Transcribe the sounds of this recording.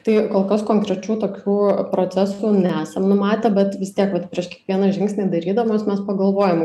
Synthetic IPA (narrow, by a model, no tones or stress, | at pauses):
t̪ɐɪkoːlˠkɐskoːŋkɾʲɛt͡ʃʲuːt̪oːkʲuːpɾoːt͡s̪ʲæsuːnʲɛæːsʲɛmnʊmɑːt̪ʲɛbʲɛt̪ʋʲɪst̪ʲiɛkʋɐt̪pʲɾʲiɛʃkʲɛkʋʲiɛnɐʒʲɪŋksʲnʲiːd̪ɐɾʲiːd̪ɐʋmoːsmʲɛspɐɡɐlˠʋoːjɛm